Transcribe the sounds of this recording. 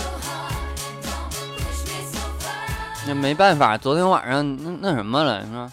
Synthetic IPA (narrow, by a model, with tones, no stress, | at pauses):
na˥˩me˧˥ɪpa˥˩nfa̰˨˩t͡swɔ˧˥t̪ʰjɛ˧˥nwa̰˨˩˦ʂɑ˥˩ŋ˧na˥˧na˥˩ʂə˧˥nmə˧lə̰˧˥˦ə˥˧˩